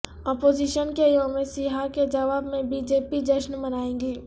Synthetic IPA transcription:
ɔːpoːziːʃənkejoːmesiɦaked͡ʒɐʋaːbmẽbiːd͡ʒeːpid͡ʒəʃnmɐnaːẽːŋɡiː

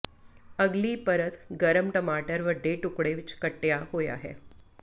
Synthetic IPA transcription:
əɡliːpəɾət̪ɡəɾəmʈəmaʈəɾʋəɖːeʈukɽeʋit͡ʃkəʈːjaɦoja̰ɦḛ

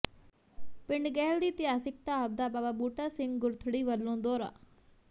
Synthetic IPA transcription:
pɪɳɖɡɛːld̪iːt̪ɪjaːsɪk̚ʈ̪aːəb̚d̪aːbaːbaːbuːʈaːsɪ̃ŋɡɡʊɾt̪ʰɽiːʋəlːõːd̪ɔːɾa̰ː

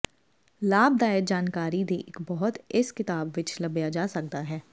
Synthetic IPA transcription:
laːb̚d̪aːɪɾd͡ʒaːnkaːɾid̪eʔɪkbɐɦʊt̪ɪskɪt̪aːbʋɪt͡ʃlɐbjad͡ʒaːsɐk̚t̪aɦɛː

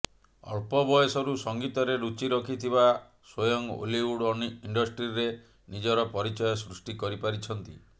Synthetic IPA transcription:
ɔ̰ɭpɔbɔjɔsɔɾusɔŋɡit̪ɔɾeɾut͡ʃiɾɔkʰit̪ʰiβa | swojɔŋo̰liwuɽɔiɳɖɔsʈɾiɾe | nid͡ʒɔɾɔpɔɾit͡ʃɔjɔsɾusʈikɔɾipaɾit͡ʃʰɔn̪t̪i

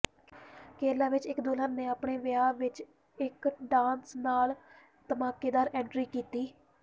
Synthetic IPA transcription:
keːlaːʋɪt͡ʃɪkd̪oːləːnneːaːpɳeːʋɪjaːʋɪt͡ʃ | ɪkɖaːnsnaːl | t̪əmaːkeːd̪aːɾɛ̃ːɳʈɾiːkiːt̪iː

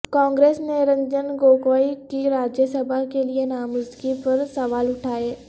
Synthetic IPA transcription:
kɔ̃ːŋɡɾeːsneɾɐ̃ɲd͡ʒənɡoːkoːikiɾaːd͡ʒjəsɐbʱakelienaːmʊzd̪ɡipɐɾsɐʋaːlʊʈʰaːeː

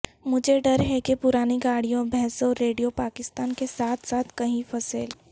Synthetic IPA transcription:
mʊd͡ʒʱeɖɐɾɦɛkepʊɾaːniɡaːɽijõbʱɛɦsoɾeːɖijopaːkɪst̪aːnkesaːt̪ʰsaːt̪ʰkɐɦĩfɐseːl

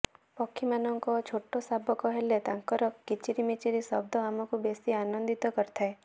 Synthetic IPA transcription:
pɔkʰːimanɔŋkɔt͡ʃʰoʈːɔsabɔkɔɦelet̪aŋkɔɾɔkːit͡ʃiɾimit͡ʃiɾisɔbd̪ʱɔamɔkubesianɔnd̪it̪ɔkɔɾt̪ʰae

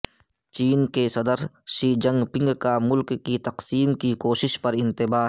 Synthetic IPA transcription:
t͡ʃiːnkesɐd̪əɾʃiːd͡ʒɐ̃ŋɡpɪ̃ŋɡkamʊlkːit̪ɐqsiːmkikoːʃɪʃpɐɾɪ̃nt̪ɪbaː

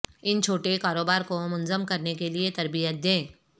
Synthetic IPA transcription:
ɪnt͡ʃʰoːʈekaːɾoːbaːɾkomʊnzəmkɐɾnekeliet̪ɐɾbijət̪̚d̪ẽː

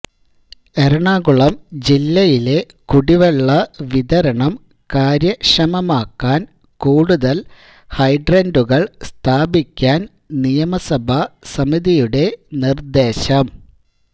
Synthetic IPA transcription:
eɾɐɳaːɣuɭɐmd͡ʑilːɐjile̞ | kuɽiʋeɭːɐʋiðɐɾɐɳɐm | kaːɾjɐʂɐmɐmaːkːaːn | kuːɽuðɐl | hɐjɖrɐnduɣɐɭst̪ʰaːbikʲːaːn | nijɐmɐsɐbʱɐsɐmiðijuɽe̞nird̪e̞ːɕɐm

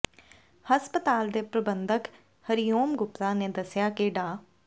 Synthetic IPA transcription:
həspət̪aːld̪eːpɾəbənd̪ək | həɾijoːmɡʊpt̪aːneːd̪əsɪjaːkeːɖaː

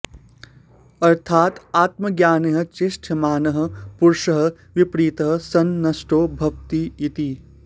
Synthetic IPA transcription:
ɐɾt̪ʰaːt̪aːt̪məɡjaːneɦɐ̆t͡ʃɪʃʈʰɐmaːnɐɦɐ̆puɾʃɐɦɐ̆ | ʋipɾiːt̪ɐɦɐ̆sɐnːɐsʈoːbʱɐʋt̪iit̪i

